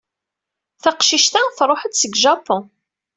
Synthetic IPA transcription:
θaqʃiʃt̪aθɾˤoħət̪səɡʒɑpʊ̃

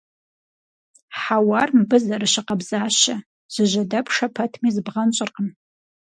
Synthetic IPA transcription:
ħawarmbɨzɐɾɨʃɪqɐbzaːʃɐ | ʒ̥ɨʒʷɐdɐpʰʂɐpʰɐtʰmiːzbʁɐnt͡ʃʼɪrqən

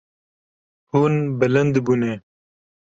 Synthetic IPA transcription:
hunbɐlɐnd̪bune

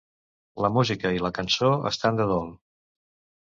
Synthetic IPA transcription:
ləmuzikəiləkənsoə̰st̪and̪əðolˠ

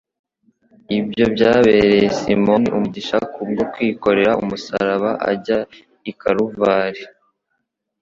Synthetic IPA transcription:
ibɟo̞bɟaːβeːɾejesimo̞niʔumuɟiʃakub̚ɡokwiːko̞ɾe̞ɾaumusa̰ɾaβaʔa̰ɟa | ikaɾuvaːɾe

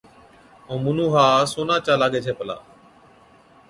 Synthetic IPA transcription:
õːmunũːɦaːsoːnãːt͡ʃaːlaːɠeːt͡ʃʰeːpəla̰ː

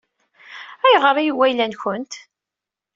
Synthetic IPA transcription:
æjʁəɾˤijiwːæjlænçʊnt̪

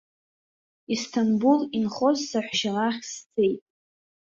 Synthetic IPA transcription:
istʰanbulinχozsaħʷʃaraχʲst͡sʰe̞jtʼ

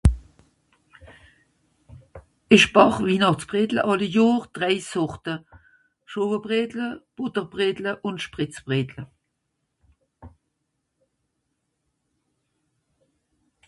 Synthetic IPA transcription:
ɪʃb̥ɑχviːnɑχt͡sb̥ʁeːdlə̰ʔɑləjoːʁd̥ʁɛɪsɔʁtə | ʃoːvəbʁeːdləb̥ʊtəʁbʁeːdləʔʊntʃpʁɪt͡sb̥ʁeːdlə

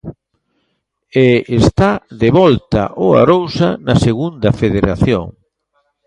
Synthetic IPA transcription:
eest̪aðeβɔlt̪ɐ̰ʔoa̰ɾowsɐnɐseɣund̪ɐfeðeɾaθjo̰ŋ

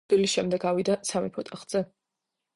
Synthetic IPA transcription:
ilisʃɛmd̪ɛɡawid̪asʰamipʰɔt̪ʼaχz̥ɛ

